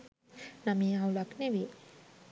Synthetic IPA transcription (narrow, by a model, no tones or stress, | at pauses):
namiawlaknewi